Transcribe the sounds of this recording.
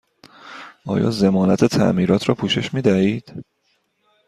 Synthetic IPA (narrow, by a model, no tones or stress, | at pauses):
ɒ̰ːjɒ̰ːze̞mɒːnæt̪ʰe̞t̪ʰæ̰ʔmiːɾɒːt̪ʰɾɒːpʰuːʃe̞ʃmiːd̪æhiːd̪̥